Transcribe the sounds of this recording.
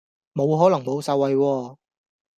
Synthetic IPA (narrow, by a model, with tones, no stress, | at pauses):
mo˨˧wɦɔː˨˥lɐ˨˩ŋmo˨˧wsɐ˨˧wːɐ˨˧jwɔː˧